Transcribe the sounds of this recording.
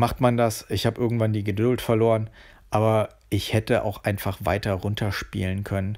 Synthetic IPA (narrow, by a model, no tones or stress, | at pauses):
maχtmandasɪçhaːbəʔɪɐɡŋ̩tv̥andiːɡədʊltfɛɐloːʁən | ʔaːbɐ | ʔɪçhɛtəʔa̰ʊxʔaɪnfaχv̥a̰ɪtɐʁʊntʰɐʃpḭːlənkʰœnən